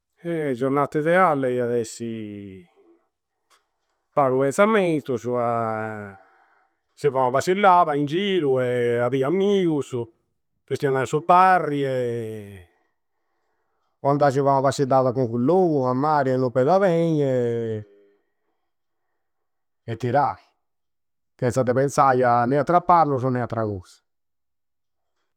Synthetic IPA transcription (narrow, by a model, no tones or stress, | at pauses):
ɛd͡ʒoɾnat̪ːeðɛalːeaðɛsːi | paɾupɛnsamet̪usua | sivamavasilːaːðaind͡ʒiːɾuɛaðiamːiːus | pest̪ianasuparːiɛ | kand̪as̬ivamavasid̪aðakuŋkulːoːuamːaːɾɛnupɛd̪avɛɲɛ | ɛt̪ːiɾaːki | t̪ɛnsad̪epɛnsajanɛat̪ːɾapːaɾlus̬unːɛat̪ːɾakɔsḁ